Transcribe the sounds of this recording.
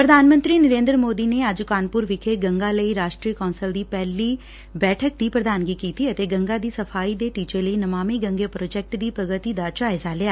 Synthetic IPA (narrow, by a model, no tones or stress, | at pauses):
pɾəd̪ʱaːnmə̃nt̪ɾiːnəɾẽːnd̪ɾmoːd̪iːneːəd͡ʒkaːnpʊɾʋɪkʰeːɡəŋɡaːləiːɾaːʃʈɾiːkɔːnsəld̪iːpɛːliː | bɛːʈʰək̚d̪iːpɾəd̪aːnɡiːkiːt̪iːət̪eːɡəŋɡaːd̪iːsəpʰaːiːd̪eːʈiːt͡ʃeːləiːnəmaːmiːɡə̃ŋɡeːpɾoːd͡ʒɛːk̚ʈd̪iːpɾəɡət̪iːd̪aːd͡ʒaːɪzaːlɪaː